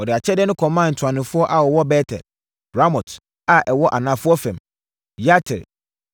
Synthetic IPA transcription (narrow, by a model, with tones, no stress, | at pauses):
ɔ˨dɪ˨a˨t͡ɕʰɛ˦dɪ˦nʊ̃˦kʰɔ̃˨mãː˦˨n̩˨tʰʊ˨ã˨nɪ̃˨fʊ˦ɔ˦ʔa˨wɔ˨wɔ˦bɛ˦tʰɛ̰˨l | ɾa˦mɔ˨t | a˨ʔɛ˨wɔ˦ʔa˨nã˨fʊ˦ɔ˦fɛ̃˨m | ja˦tʰɪ̰˨